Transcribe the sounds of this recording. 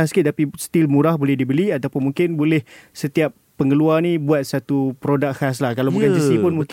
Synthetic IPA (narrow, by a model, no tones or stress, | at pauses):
askɪt̪̚t̪apist̪ilmũɾahbolɛhdibəliat̪awpʊnmũŋkɪnbolɛhsət̪iapːəŋəluarnĩbuat̪̚sat̪upɾodak̚has̬lahkalabukansisipʊnmũŋk